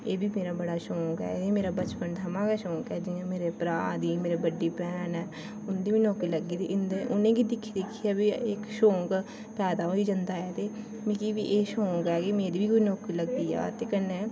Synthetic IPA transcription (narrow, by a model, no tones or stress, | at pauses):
eːbʱiːmeːɾaːbəɽaːʃõːkɛ̰ːmeːɾaːbət͡ʃpənt̪ʰəmãːkɛʃɔ̃ːkɛːd͡ʒɪãmeːɾepɾaːd̪iːmeːɾebəɖːiːpɛːnɦɛː | ʊnd̪iːbiːnɔːkiləɡiːd̪iːʔɪnd̪eʔʊnẽːɡid̪ɪkʰːid̪ɪkʰːiɛbiɪkʃõːk | pɛːd̪aːɦoːiːd͡ʒãnd̪aːɛːt̪eː | mikibiʔeːʃõːkɛːkimeːɾiːbʱiːkoinɔːkiːləɡd̪iːɛ̰ːt̪eːkənːeː